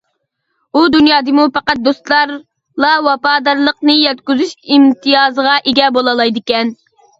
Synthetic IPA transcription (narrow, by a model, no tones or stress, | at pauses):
ud̪unjɑːd̪ɨmupɑqɑt̪̚d̪ost̪lˠɑɾ | lˠɑwɑpɑːd̪ɑɾlˠəqnɨjɛt̪kʲyzyʃimt̪ʰɨjɑːzəʁɑʔeɡʲɛbolˠɑlˠɑjd̪ɪkʲɛn